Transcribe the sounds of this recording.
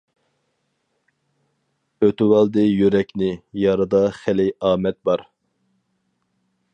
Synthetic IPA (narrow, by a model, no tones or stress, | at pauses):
øt̪ywɑlˠd̪ɨjøɾɛkʲnɪjɑɾɨd̪ɑχælɪɑːmɛt̪̚bɑɾ